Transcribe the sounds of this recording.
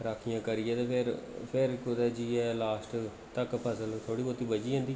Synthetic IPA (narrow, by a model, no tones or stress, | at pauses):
ɾaːkʰːijãːkəɾɪjɛ̃ːt̪eːpʰɪɾpʰɪɾkʊd̪ɛːd͡ʒiːɛːlaːsʈ | t̪əkpʰəsəlt̪ʰoːɽiːboːt̪ːiːbəd͡ʒiːẽːnd̪iː